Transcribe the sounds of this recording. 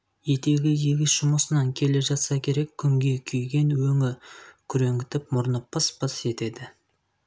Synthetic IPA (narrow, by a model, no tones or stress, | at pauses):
je̞t̪e̞ɡʲɪjeɡʲɪsʃʊməsənɑŋkʲʰe̞leʒɑt̪sɑkʲʰe̞ɾe̞kʲʰːʏŋɡʲe̞kʲʰyjɡʲe̞nwɵŋɪkʲʰʏɾe̞ŋɡʲɪt̪ɪp̚mʊɾnəpːɑspɑse̞t̪e̞d̪ɪ